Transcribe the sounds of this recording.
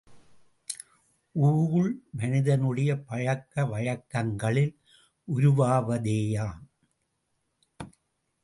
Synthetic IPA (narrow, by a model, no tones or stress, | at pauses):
ʔuːɣɯɭmɐnɪðɐnɯɽɐjɐpɐɻɐkːɐʋɐɻɐkːɐŋɡɐɭɪl | ʔʊɾʊʋaːʋɐðeːjaːm